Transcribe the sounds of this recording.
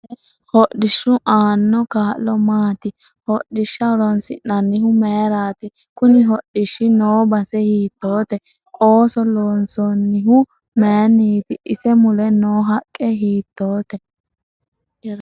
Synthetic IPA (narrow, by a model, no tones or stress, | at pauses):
hɔɗːɪʃːʊʔaːnːɔkaːʔllɔmaːt̪ɪ | hɔɗɪʃːɐɔɾɔnsɪ̰nːɐnːɪhʊmeːɾaːt̪ɪ | kʊnɪɦɔɗːɪʃːɪnoːbɐsɛhiːt̪ːoːt̪ɛ | ʔoːsɔloːnsɔnːɪɦʊ | meːnːiːt̪ɪʔɪsɛmʊlɛnoːɦɐkʼːɛɦiːt̪ːoːt̪ɛ